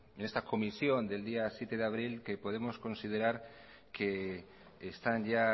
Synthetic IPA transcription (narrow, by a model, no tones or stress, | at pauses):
enest̪ako̞misjo̞nd̪e̞ld̪iasjet̪eðeaβ̞ɾilkepoð̞emosko̞nsið̞eɾaɾ | keː | st̪anʎa